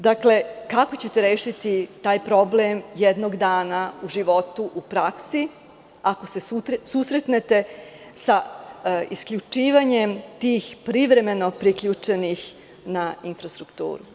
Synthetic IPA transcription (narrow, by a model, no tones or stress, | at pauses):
d̪akle̞kako̞t͡ɕe̞t̪e̞ɾeːʃit̪it̪aːjpɾo̞blemjed̪noɡd̪aːnauʒiʋo̞t̪uʔupɾaksi | ako̞se̞susɾe̞t̪net̪e̞ | sa | iskʎut͡ʂiːʋaɲe̞mt̪iːxpɾiʋɾe̞me̞no̞pɾikʎuːt͡ʂe̞nix | nainfɾast̪ɾukt̪ṵːɾu